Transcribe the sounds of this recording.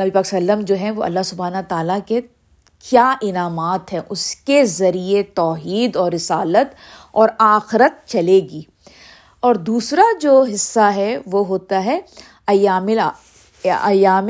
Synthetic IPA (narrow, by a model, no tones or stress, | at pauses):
nɐbipaːkslːəmd͡ʒoːɦɛ̃ʋoɐ̰lːaɦsʊbaːnt̪aːlake | kʰjaːʔɪnaːmaːt̪ɦɛʔʊskezɐɾiet̪ɔːɦiːd̪ɔːɾːɪsaːlət̪ | ɔːɾaːxɪɾət̪̚t͡ʃɐleːɡiː | ɔːɾd̪uːsɾad͡ʒoːɦɪsːaɦɛʋoɦoːt̪aɦɛ | ɐjaːmɪl | ɐjaːm